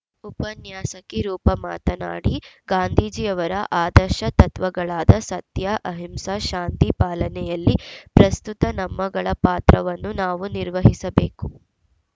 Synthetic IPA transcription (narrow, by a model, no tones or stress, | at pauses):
upɐnjaːsɐkiɾuːpɐmaːt̪ɐna̰ːɽiɡaːnd̪ʱiːd͡ʒijɐʋɐɾɐʔaːd̪ɐɾʃɐt̪ɐt̪ʋɐɡɐɭaːd̪ɐsɐt̪jaʔɐɦimsaʃaːnt̪ipaːlɐnɛjɐlːipɾɐst̪ut̪ɐnɐmːɐɡɐɭɐpaːt̪ɾɐʋɐnːunaːʋuniɾʋɐɦisɐbeːku